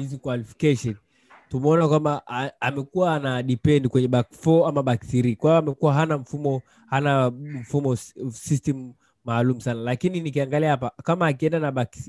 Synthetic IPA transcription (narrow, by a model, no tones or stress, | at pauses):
hizikwalifi̥kɛʃɔn | tumɛɔnakwambaamɛkuwaːnaɗipɛndikwɛɲɛɓakfɔamaɓak̚tiɾikwaiɔamɛkuwaɦanaɱ̩fumɔ | hanaɱ̩fumɔsistɛmu | maːlumusanalakininikiaŋɡaliahapakamaːk̬iɛndanaɓaks